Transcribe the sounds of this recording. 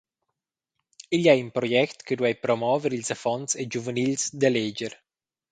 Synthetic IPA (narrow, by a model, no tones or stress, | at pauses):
ilɛjunpɾojɛkt̪kəd̪wɛjpɾomɔːveɾilsafɔnt̪sed͡ʒuvənilsd̪aled͡ʒeɾ